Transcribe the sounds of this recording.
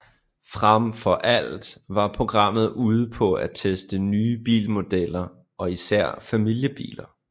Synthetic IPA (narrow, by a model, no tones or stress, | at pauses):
fʁamfɒ̽ʔæl̰d̥ʋɑ̈pʰʁo̝ɡ̥ʁɑ̈m̰ð̞̩ˠuːð̞ˠəpʰɒ̽æt͡sʰesd̥ənyːb̥ḭːlmo̝d̥el̰ɐ | ʔɒ̽isæɐ̰fæmil̰jəb̥ḭːlɐ